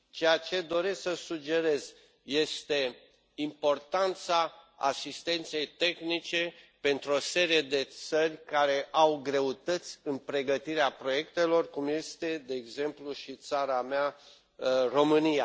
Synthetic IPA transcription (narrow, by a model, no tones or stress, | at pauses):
t͡ʃejat͡ʃe̞d̪o̞ɾe̞ssəsud͡ʒe̞ɾe̞z | je̞st̪e̞ | impo̞rt̪ant̪saa̰sist̪e̞nt̪se̞jt̪e̞xnit͡ʃe̞pe̞nt̪ɾuo̞se̞ɾie̞d̪e̞t̪sərʲkaɾe̞ʔawɡɾe̞ut̪ət̪sʲɨnpɾe̞ɡət̪iɾeapɾo̞je̞kt̪e̞lo̞rkumje̞st̪e̞d̪e̞ːɡze̞mpluʃit̪saɾamea | ro̞mɨnija